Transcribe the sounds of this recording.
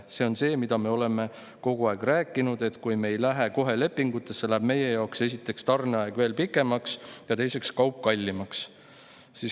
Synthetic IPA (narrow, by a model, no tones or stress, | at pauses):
se̞o̞nse̞ːmid̪ɑme̞o̞le̞me̞ | ko̞ɡ̥uɑeɡ̥ræːkːˑinud̪e̞t̪kujme̞jlæɦeko̞ɦe̞le̞pːˑiŋɡ̥ut̪ːˑe̞sːe̞læːb̥me̞je̞jɑokse̞s̬ʲit̪ːˑe̞kst̪ɑrneɑeɡ̥ve̞ːlpikːˑe̞mɑksjɑt̪e̞jse̞kskɑwp̚ːkɑlʲːimɑks | sis